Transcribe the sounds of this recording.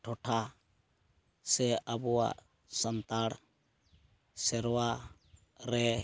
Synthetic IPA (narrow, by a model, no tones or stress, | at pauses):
ʈʰɔʈʰa | sɛabɔwa̰ʔ | sant̪aɽ | sɛɾɔwa | ɾɛ